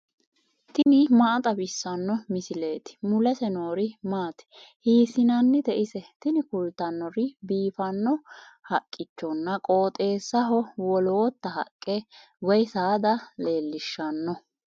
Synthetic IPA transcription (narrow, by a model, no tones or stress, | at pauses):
t̪ɪnɪmɐʔt̪ʼɐbɪsːɐnːɔmɪsɪle̞ːt̪ɪ̥mʊlɛsɛnoːɾɪmaːt̪ɛ̥hiːsɪnɐnːɪd̪ɛʔɪsɛt̪ɪnɪkʊlt̪ɐnːɔɾɪbiːfɐnːɔhɐkʼːɪt͡ʃːɔnːɐkʼo̞ːt̪ʼe̞ːsːɐɦɔwɔlo̞ːt̪ːɐɦɐ̰kʼːɛ | wɔjsaːd̪ɐle̞ːlːɪʃːɐnːɔ